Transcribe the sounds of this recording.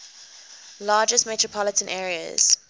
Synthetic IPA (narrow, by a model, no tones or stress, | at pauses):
lɑːd͡ʒəstmɛtɹəpʰɔlətʰə̃nʔɛːɹiə̰z̥